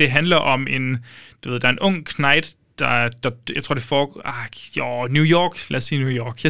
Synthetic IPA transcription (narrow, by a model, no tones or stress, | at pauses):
d̥e̝ɦænlɐʔɒ̽me̝nd̥uʋeð̰ˠd̥ɑɐe̝nʔɔ̽ŋ̰kʰnɑ̈ɪd̥ | d̥ɑd̥ɑ̈jɑaɪt͡sʰo̝ɐd̥ifɒːɡajonjujɒːɡ̥læ̰ɐsːiːnujɒːɡ̥jɑ